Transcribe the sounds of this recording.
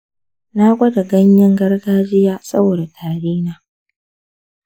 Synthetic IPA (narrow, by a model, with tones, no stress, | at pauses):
na˦kʷɐ˦da˨ɡɐ˦ɲjɐ˦ŋɡɐ˦rɡaː˦d͡ʒɪ˦jaː˦sɐ˦boː˨da˨tʰaː˨ɾiː˦naː˨